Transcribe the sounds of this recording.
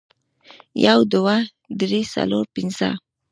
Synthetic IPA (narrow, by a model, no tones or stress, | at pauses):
jawd̪wa | d̪ɾisa̰loɾpɪnzə̰